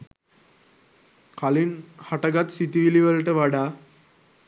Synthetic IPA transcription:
kalinhaʈəɡat̪sit̪iʋiliʋələʈəʋaɖa

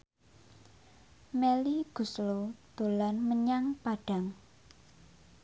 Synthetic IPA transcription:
meliɡ̥ṳslod̪̥o̤lanməɲaŋpaɖ̥a̤ŋ

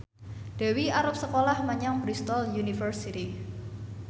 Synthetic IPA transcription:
d̥a̤wiaɾʊp̚səkolahmaɲaŋbɾist̪ɔljunifərsit̪i

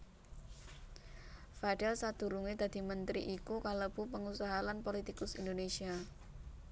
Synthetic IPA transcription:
faɖ̥ɛlsad̪̥ṳɾuŋed̪̥a̤d̪̥i̤mənt̪ɾḭʔikukaləb̥upəŋusaɦalanpolit̪ikʊsind̪onesia

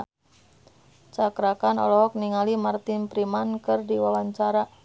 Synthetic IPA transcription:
t͡ʃakɾakanɔ̰lɔɦɔk̚niŋalimart̪ɪnpɾimankɨrdiwalaɲt͡ʃaɾa

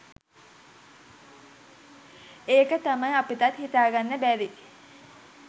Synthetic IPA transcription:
eːkət̪amajapit̪at̪hit̪aːɡanːəbæːʋi

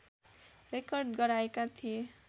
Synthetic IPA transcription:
rekʌrɖɡʌɾaekat̪ʰie

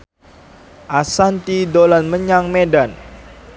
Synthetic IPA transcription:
ʔasant̪idolanməɲaŋmedan

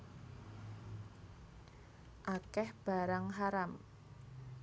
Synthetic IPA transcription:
ʔakɛhb̥a̤ɾaŋɦaɾam

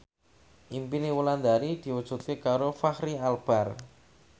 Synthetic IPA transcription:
ʔimpiniwuland̪aɾid̪̥i̤wud̥ʒ̥ṳt̪̚kekaɾofahɾialb̥ar

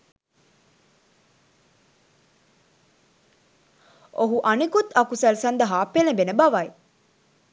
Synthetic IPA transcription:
oɦuʔɐnikut̪ɐkusɐlsɐnd̪ɐɦaːpːelebenebɐʋai

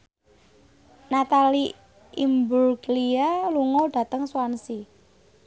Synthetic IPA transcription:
nat̪ali | imburklialuŋoɖ̥a̤t̪əŋswansi

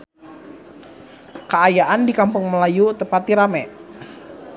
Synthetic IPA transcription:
kəajaʔandikampʊŋməlajut̪əpat̪̚ːiɾamɛʔ

